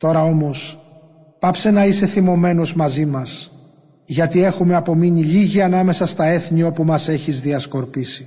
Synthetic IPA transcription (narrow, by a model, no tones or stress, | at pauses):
t̪o̞ɾɐomo̞s | pɐpse̞nɐise̞θimo̞me̞no̞zmɐzimɐs | ʝɐt̪ie̞xume̞ɐpo̞miniʎiʝiɐnɐme̞sɐst̪ɐe̞θɲio̞pumɐse̞çizðiɐsko̞ɾpisi